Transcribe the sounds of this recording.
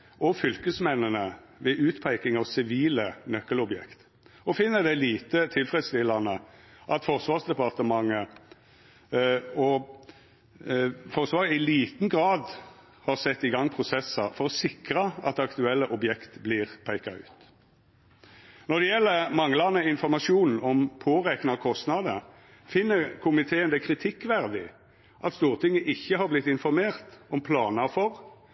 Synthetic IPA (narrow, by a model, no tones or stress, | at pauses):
ɔfʏlkəsmɛnənə | ʋɛʔʉːt̪pʰæɪkɪŋɑʋsɪʋiːlənœkːəlɔbjɛ̰kt̪ | ɔfɪnːəd̪ɛliːt̪ət̪ʰɪlfʁɛd̪st̪ɪlɑnəʔɑt̪fɔʁsʋɑːʁsd̪ɛpɑʁt̪əmɑŋːə | ɔ | fɔʁsʋɑːʁəɪliːt̪n̩ɡʁɑːd̪ | hɑʁsɛt̪ːɪɡɑŋːpʰʁʊsɛsɑfɔʁɔsɪkɾɑɑt̪ːɑkt̪ʉɛlːəʔɔbjɛkt̪blɪːʁpʰæɪkɑʉ̰ːt̪ | nɔʁd̪ɛjɛlːəmɑŋlɑnəɪnfɔʁmɑʃuːnn̩ɔmpʰoːʁɛknɑkʰɔst̪nɑd̪ə | fɪnːəkʰʊmɪt̪ʰeːənd̪ɛkʰɾɪt̪ʰɪkːʋæʁd̪ɪ | ʔɑt̪st̪uːʁt̪ʰɪŋːəʔɪçːəhɑʁblɪt̪ːɪnfɔɾmeːʁt̪ɔmpʰlɑːnɑfɔʁ